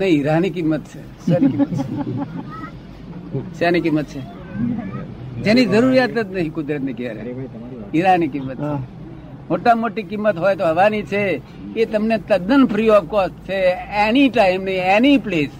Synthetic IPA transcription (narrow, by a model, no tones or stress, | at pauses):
nəĩiɾanikimːət̪̚t͡ʃʰe | sanikimət̪t͡ʃʰe | t͡ʃanikimːət̪̚t͡ʃʰe | d͡ʒenid͡ʒəɾuɾijat̪ənəɦĩkʊd̪ɾət̪nekjaɾḛiɾanikimːət̪t͡ʃʰe | moʈamoʈikimːət̪ɦojt̪oɦəʋanit͡ʃʰe | ket̪əmnet̪əd̪ənpʰɾiɔfkɔst͡ʃʰeeniʈaɪmnəienipleːs